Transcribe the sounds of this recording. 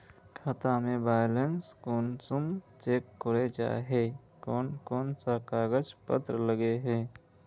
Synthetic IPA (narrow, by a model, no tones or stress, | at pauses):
kʰət̪ãmẽbaːjlenskoːnsumt͡ʃeːkːʊɽed͡ʒa̰ːɦeː | koːnkoːnsakaːɡəd͡ʒpə̰t̪ɾələɡeɦɛː